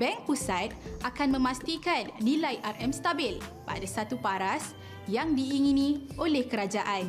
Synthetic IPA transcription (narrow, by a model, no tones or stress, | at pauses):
bɛŋk̚pusat̪̚ʔakanmə̃mãst̪ikanːilajʔarʔɛmst̪abɪlpa̰dasat̪upaɾas | jaŋdiːŋinĩolɛhkəɾad͡ʒaʔan